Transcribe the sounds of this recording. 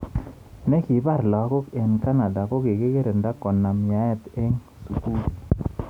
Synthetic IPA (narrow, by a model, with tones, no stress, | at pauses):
nɛ˦ki˨˦ba˦˨ɾla˨˦ko˦kɛ˨nka˦na˨da˨ko˦ke˨ke˦ke˦ɾe˨nda˦kɔ˨nːa˨mja˨˦ɛ˦˨t̪e˦ŋ | su˨ku˦˨